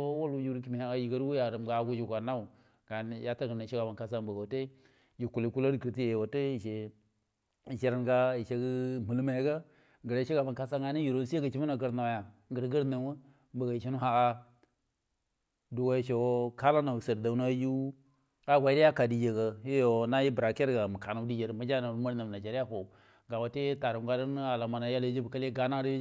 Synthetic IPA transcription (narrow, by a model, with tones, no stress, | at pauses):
o˦wo˦lu˦ju˦ɾki˨mi˨ha˨a˦ji˨ɡa˦ɾwu˦ja˨ɾə˨mɡa˨˦ɡu˦d͡ʒi˨ɡa˨na˦u˨ | ɡ̥a˨n˦ja˦ta˦ɡna˨ʃe˦ɡa˨ba˨nka˨s̬a˦mbə˨ɡa˨te˦ | d͡ʒi˨ku˨li˨ku˦la˦di˨ki˨ɾti˦je˨jwa˨te˦i˨ʃe˨ | i˨ʃe˨ɾa˨nɡa˦i˨ʃe˦ɡi˦mi˨lma˨e˦ɡa˦ | ŋɡə˨ɾa˦ʃe˦ɡa˨ba˨nka˦sa˦ŋɡa˨˦ni˦ji˨ɾo˨n˦se˦ɡə˨t͡ʃi˦m˦na˨ɡə˦ɾna˨ja˨ŋɡə˨ɾɡə˦ɾna˨wə˦ | bə˨ɡa˨i˨ʃi˦nu˦ɦa˨a˦ | du˨wa˦˨ʃo˨˦ka˦la˦na˨sə˨ɾda˨˦na˦ju˦ | a˦ɡʷa˨˦di˦ja˦ka˨di˨d͡ʒe˨ɡə˨ji˦jo˨na˦ji˦bɾa˨ke˦ɾɡa˨mə˨ka˨nu˨˦di˦d͡ʒe˨ɾə˨ma˦d͡ʒa˦na˨ɾu˦ma˦ɾna˨m˨na˨d͡ʒa˨ɾi˦ja˦ɸo˨ | ɡa˨wa˨te˦ta˨ɾu˨˦ɡa˨ɾə˦n˦a˨la˨ma˨na˨ja˦ld͡ʒi˦bə˨ka˦le˦ɡa˨na˦ɾ